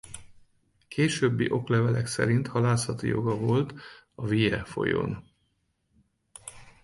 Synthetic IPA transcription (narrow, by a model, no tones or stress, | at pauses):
kʰeːʃøbːiʔo̞klɛvɛlɛksɛ̰ɾint̪hɒlaːsɒt̪ijo̞̰ɡɒvo̞lt̪ | ɒvijɛfo̞̰jo̰n